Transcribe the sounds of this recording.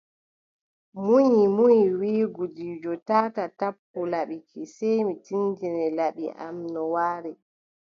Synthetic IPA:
muɲimuɲiwiːɡudiːd͡ʒɔtaːtatapːulaɓikʰisɛjmitind͡ʒinɛlaɓiʔa̰mnɔwaːɾɛ

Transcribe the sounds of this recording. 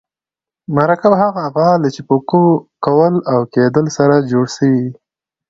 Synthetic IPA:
maɾakabaɦaɣaːɣɑlat͡ʃipokokawəlawked̪əlsaɾad͡ʒoɽsəwi

